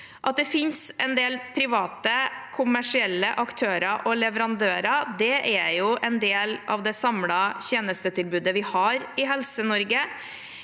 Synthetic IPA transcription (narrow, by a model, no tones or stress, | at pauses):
ʔɑt̪̚d̪ɛfɪnsɛnd̪eːlpʰɾɪʋɑːt̪əkʰʊmæʂɪɛlːəʔɑkt̪ʰøːɾɑʔɔlɛʋəɾɑnd̪øːɾɑd̪ɛʔæjʊʔɛnd̪eːlɑ̰ʋd̪ɛsɑmlɑçeːnəst̪ət̪ʰɪlbʉːd̪əʋɪhɑɾɪɦɛlsənɔɾɡə